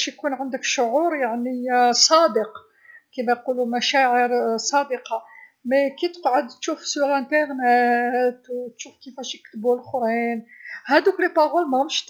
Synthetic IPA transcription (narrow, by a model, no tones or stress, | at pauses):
ʃjkunʕənd̪əkʃʊʕuɾjaʕnisˤɑd̪əq | kimæjqulumæʃæʕəɾsˤɑd̪əqɑ | mekit̪ə̥qʕəd̪t̪ʃufsyɾæ̃nt̪əʁnæt̪wt̪ʃufkifæʃjəkt̪əbulxɾinhæd̪uklepɑɣulmæhʊmʃ